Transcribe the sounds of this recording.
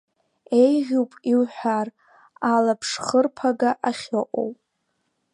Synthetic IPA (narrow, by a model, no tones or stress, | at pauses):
ejʁʲuwpʼiwħʷar | alapʰʂχərpʰaɡaʔaχʲoʔʼo̰wpʼ